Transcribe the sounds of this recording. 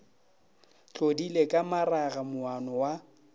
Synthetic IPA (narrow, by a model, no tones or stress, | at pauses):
t͡ɬʼodilekʼamaraɣamʊanɔwa